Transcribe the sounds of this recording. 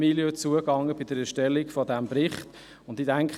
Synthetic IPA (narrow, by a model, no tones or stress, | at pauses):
iljət͡suəɡɑŋːəbɪdəɾɛʃtɛlːikfɔdæmbɾɪχt | ʊndidæŋkχ